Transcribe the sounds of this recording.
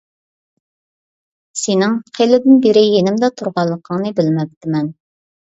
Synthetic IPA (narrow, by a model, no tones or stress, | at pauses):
senɪŋqʰelɪd̪ɪnbeɾɪjenɪmd̪ɛt̪ʰuɾʁɑlˠːəqʰəŋnɨbɪlmɛp̚t̪ɪmɛn